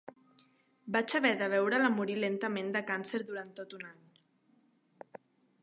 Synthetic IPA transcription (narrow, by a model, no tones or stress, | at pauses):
bat͡ʃəβɛðəβ̞ɛwɾələmuɾilent̪əmend̪əkanseɾðuɾant̪ot̪unaɲ